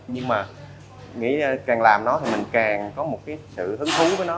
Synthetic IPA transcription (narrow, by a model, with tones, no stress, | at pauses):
ɲɨ˧ŋmaː˨˩ | ŋḭ˧˥˧kaː˨˩ŋlaː˨˩mnɔ˨˦t̪ʰi˨˩mï˨˩ŋ̟kaː˨˩ŋkɔ˨˦mo˨˩t̚kaː˨˦jsɨ̰˧˨hɨ˨˦ŋt̪ʰu˨˦vəː˨˦jnɔ˨˦